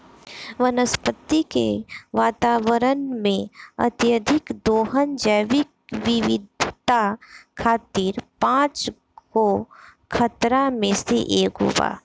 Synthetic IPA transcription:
ʋənəspət̪ːikḛʋaːt̪aːʋəɾənmẽɐ̰t̪jəd̪ʱɪkd̪oːɦənd͡ʒəʋɪk̚ʋɪʋɪd̪ʱt̪akʰaːt̪iːɾpãːt͡ʃ | ko | kʰət̪ɾamẽsḛʔeːkɦʊ̰ʋa̰ː

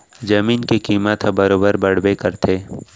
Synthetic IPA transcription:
d͡ʒɐmiːnkekiːmət̪ʰbɐɾoːbəɾbɐɽ̤bekəɾt̪ʰeː

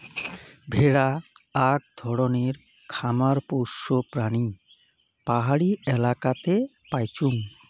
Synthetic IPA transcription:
bʱeɽaːk̚d̪ʱɔɽoneɾ | kʰamaɾpoʃopɾani | paɦaɽiɛlakat̪e | pajt͡ɕuŋ

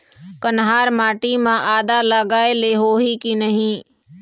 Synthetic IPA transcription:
kənɦaːɾmaːʈimãːʔaːd̪aləɡaːeleɦoːɦikinəɦĩː

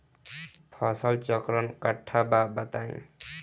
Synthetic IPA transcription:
pʰʌsʌlt͡ʃʌkɾʌnkʌʈʰːababʌt̪aj̰̃

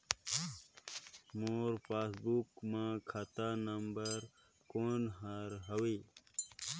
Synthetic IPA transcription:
moːɾpaːsbukmãkʰat̪aːnɐmbɐɾ | koɳɖɦaɾɦɐwiː

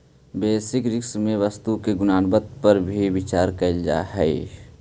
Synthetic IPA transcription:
beːsɪkɾɪksmẽʋəst̪ukeɡʊnaːnbət̪̚pəɾbʱibɪt͡ʃaːɾkəld͡ʒa̰ɦɛi

